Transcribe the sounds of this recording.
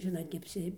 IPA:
ˈʒʲɪnoːt nʲɛɐpʲˈsʲɪ

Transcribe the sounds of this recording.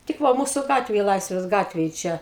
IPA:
tʲɪk ˈʋɐ ˈmuːsʊ ˈɡɑːtʲʋʲeːj ˈlˠɐɪsʲʋʲeːs ˈɡɑːtʲʋʲeːj ˈt͡ʃʲɛ

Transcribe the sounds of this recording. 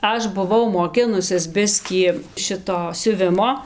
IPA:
ˈɐʃ bʊˈʋɐʊ moːˈkʲɪnʊsʲɪs ˈbʲɪsʲkʲiː ˈʃʲɪtoː sʲʊˈʋʲɪmoː

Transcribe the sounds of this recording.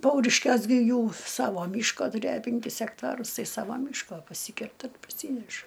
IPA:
ˈpɐʊrʲɪʃʲkʲuɔs ɡʲɪ ˈjuː ˈsɑːʋoː ˈmʲiːʃkoː tʊˈrʲeːjoː pʲɛŋʲˈkʲɪs ɛkˈtɑːrʊs ˈtɐɪ ˈsɑːʋɐ ˈmʲiːʃkoː pɐˈsʲiːkʲɛrtɐ pɐˈsʲiːnʲɛʃɐ

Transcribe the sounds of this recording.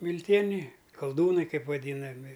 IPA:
mʲɪlʲˈtʲiɛnʲɛɪ kɐlˠˈduːnɐɪ ˈkɐɪp ʋɐˈdʲiːnɐmʲɪ

